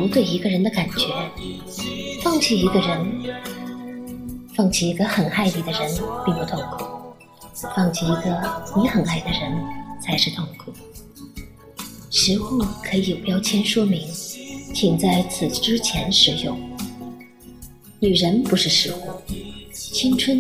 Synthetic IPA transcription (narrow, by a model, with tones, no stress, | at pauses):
pu˧˥t̪we˥˩ɪi˧˥ɡə˧ɻə˧˥nd̪ə˧ka˨˩nt͡ɕɥɛ˧˥ | fɑ˥˧ŋt͡ɕʰi˥˩i˧˥ɡə˧ɻə˧˥n | fɑ˥˩ŋt͡ɕʰi˥˩i˧˥ɡə˧xə˨˩na˥˩ɪli˥˩d̪ə˧ɻə˧˥npi˥˧ŋpu˧t̪ʰʊ˥˩ŋkʰu˥˩ | fɑ˥˧ŋt͡ɕʰi˥˩i˧˥ɡə˧ni˧˥xə˨˩na˥˩ɪd̪ə˩ɻə˧˥nt͡sʰa˧˥ɪʂɻ̩˥˧t̪ʰʊ˥˧ŋkʰu˥˩ | ʂɻ̩˧˥xu˥˩kʰɤ˧˥i˨˩jo˨˩ʊpjɑ˥ʊt͡ɕʰjɛ˥nʂwɔ˥mi˧˥ŋt͡ɕʰi˨˩ŋt͡sa˥˩ɪt͡sʰɹ̩˨˩ʈ͡ʂɻ̩˥t͡ɕʰjɛ˧˥nʂɻ̩˧˥jʊ˥˩ŋ | ny˨˩ɻə˧˥npu˧˥ʂɻ̩˥˩ʂɻ̩˧˥xu˥˩ | t͡ɕʰi˥nt͡sʰwə˥n